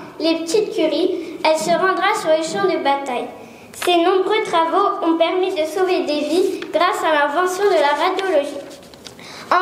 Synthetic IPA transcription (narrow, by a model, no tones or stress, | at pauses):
lepət̪it̪̚kʲyʁiɛlsəʁɑ̃d̪ʁasyʁləʃɑ̃d̪əbat̪aj | senɔ̃bʁøt̪χavoɔ̃pɛʁmid̪əsoved̪eviɡ̥ʁasalɛ̃vɑ̃sjɔ̃d̪əlaʁad̪jɔlɔʒi | ɑ̃